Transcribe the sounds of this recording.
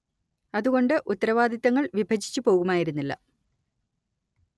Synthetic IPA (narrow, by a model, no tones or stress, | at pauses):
ɐðuɣo̞ɳɖɨʔut̪ːɐɾɐʋaːd̪ʱit̪ːɐŋːɐɭʋibʱɐd͡ʑʱi̥t͡ɕːupo̞ːɣumaːjiɾunːilːɐ̰